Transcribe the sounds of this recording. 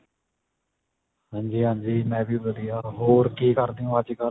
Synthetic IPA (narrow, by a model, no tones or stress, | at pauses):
hãːɲd͡ʒiːɦãːɲd͡ʒiːmɛ̃ːbiːbəd̪ijaːɦoːɾkiːkəɾd̪iːũːəd͡ʒkəɾ